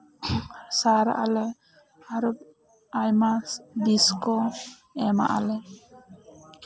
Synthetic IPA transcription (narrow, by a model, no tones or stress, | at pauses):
saɾa̰ʔalɛ | aɾɔb̚ | ajmasd̪iskɔ | ɛma̰ʔa̰lɛ